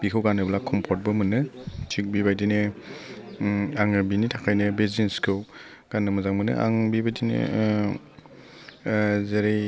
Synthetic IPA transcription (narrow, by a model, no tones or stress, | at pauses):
b̥ikʰɯwɡanɯblakʰɔmpʰɔt̚bɯmɯnɯt͡ʃʰik̚bibajdinɯ | aŋɯbinitʰakʰajnɯbezinskʰɯw | ɡ̥anːɯmɯzaŋmɯnɯ̰ʔa̰ŋbibajdinɯ̰ | zeɾe